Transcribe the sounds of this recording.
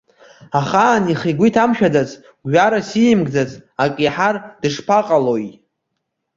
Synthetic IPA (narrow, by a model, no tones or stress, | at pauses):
aχaːniχiɡʷitʰamʃᶣadaz | ɡʷʒᶣaɾasimɡd͡zazakʼiħard̥ɨʂpʰaqʼalojʼ